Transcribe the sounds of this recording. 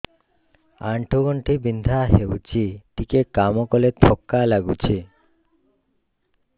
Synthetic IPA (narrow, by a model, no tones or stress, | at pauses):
aɳʈʰoɡɔɳʈibind̪ʱaɦewt͡ɕʰiʈikekamɔkɔlet̪ʰɔkːalaɡut͡ɕʰi